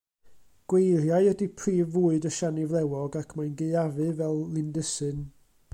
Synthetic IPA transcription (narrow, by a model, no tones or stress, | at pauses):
ɡ̥wejrjajədipʰriːvuːɨdəʃanɪvlˠɛwɔɡakʰmajnɡeɨavɨvɛlˠlɪndəsɨn